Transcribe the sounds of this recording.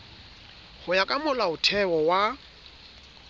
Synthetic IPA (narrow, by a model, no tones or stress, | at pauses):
hʊjakʼamʊlaʊtʰɛwɔwa